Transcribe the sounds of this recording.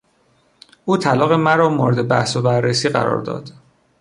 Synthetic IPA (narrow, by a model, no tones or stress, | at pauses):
ʔuːt̪ʰælɒːɣe̞mæɾɒːmoɾed̪ebæ̰hsobærːesiːɢæ̰ɾɒ̰ːɾd̪ɒ̰ːd̪̥